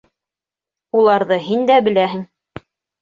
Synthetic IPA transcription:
ulˠɑɾðɤɦind̪æbɘ̆læɦɘ̆ŋ

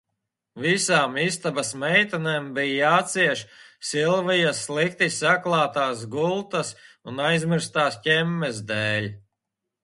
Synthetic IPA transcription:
visaːmist̪abasmɛjt̪anɛmbijjaːt̪siɛʃsilˠvijaslˠik̚t̪isaklˠaːt̪aːs̬ɡulˠt̪asunajzmiɾst̪aːscʲɛmːɛzd̪ɛːlʲ

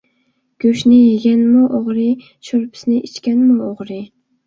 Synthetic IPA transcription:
ɡ̥ʲøʃnɪjeɡʲɛnmuʔoʁɾɨ | ʃoɾpʰɪ̥snɪʔit͡ʃkʲɛnmuoʁɾɨ

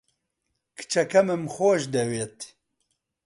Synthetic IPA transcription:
kʰɨ̥t͡ʃɐkɐmɨmxoːʒd̪ɛweːt̪

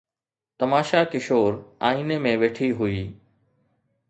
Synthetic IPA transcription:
t̪ɐmaːʃakɪʃoːɾa̰ːiːnemẽʋeːʈʰiɦʊiː

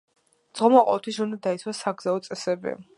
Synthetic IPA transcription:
d̪z̥ʁɔmaqʼɔ̰ɛt̪ʰwisund̪ad̪ait̪sʰwasaɡzaɔt̪sʼɛsɛbḭ

